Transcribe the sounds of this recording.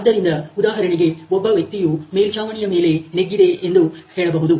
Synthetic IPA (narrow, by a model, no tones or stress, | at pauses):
ɐd̪ːɐɾɪnd̪ɐʊðaːɦɐɾɐɳɪɡeʋɔbːɐʋɐk̚t̪ːɪjuːmeːlt͡ʃaːʋɐɳɪjɐmeːlenɛɡːɪðeʔendrɯkeːɐɳɐpɐɣɯðɯ